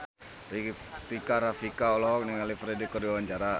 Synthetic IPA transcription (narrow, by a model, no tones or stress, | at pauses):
rikaɾafikaɔlɔk̚niŋalifɾedikːɔrdiwawaɲt͡ʃaɾa